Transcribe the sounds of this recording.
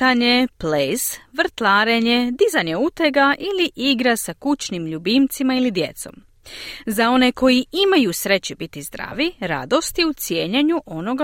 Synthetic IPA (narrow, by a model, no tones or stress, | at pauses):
t̪aɲeplesʋrɾ̩t̪lˠaːɾeɲe̞d̪izaɲeut̪e̞ɡaʔiliʔiɡɾasakut͡ɕnimʎubimt̪simailid̪je̞̰t̪so̞̰m | zao̞ne̞ko̞jiimajusɾe̞t͡ɕubit̪izd̪ɾa̰ːʋiɾa̰d̪o̞st̪jeut̪sje̞ːɲeɲuʔo̞no̞ɡa